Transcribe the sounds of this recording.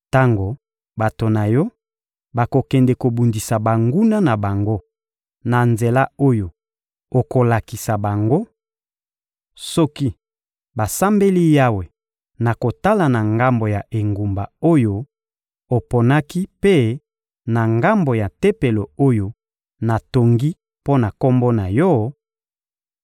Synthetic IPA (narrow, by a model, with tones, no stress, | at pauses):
ta˦ŋɡo˨ | ba˨to˨na˨jɔ˦ | ba˨ko˨kɛ˨ndɛ˨ko˨bu˨ndi˨sa˨ba˨ŋɡu˦na˦na˨ba˨ŋɡo˦ | na˨nze˨la˦o˦jo˨ | o˨ko˨la˨ki˨sa˨ba˨ŋɡo˦ | sɔ˦ki˦ | ba˨sa˦mbe˦li˦ja˦we˨ | na˨ko˨ta˦la˨na˨ŋɡa˦mbo˨ja˨ʔe˨ŋɡu˨mba˨o˦jo˦ | o˨po˨na˦ki˦pe˦ | na˨ŋɡa˦mbo˨ja˨te˦pe˨lo˨o˦jo˨ | na˨to˨ŋɡi˦ | po˦na˨ko˦mbɔ˦na˨jɔ˦